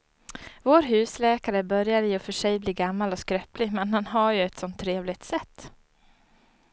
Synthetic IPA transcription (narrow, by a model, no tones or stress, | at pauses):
voːɾɦʉ̟ːslɛːkaɾəbœɾjaɾɪɔfœʂɛjbliːɡamːalɔskɾœplɪmɛnɦanɦaɾjɵɛt̪sɔnt̪ʰːɾeːvlɪt̪sɛt̪ː